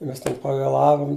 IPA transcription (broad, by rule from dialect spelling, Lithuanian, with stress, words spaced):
ˈmʲɛs tʲɛn pɐʋʲeːˈlˠɑːʋʊm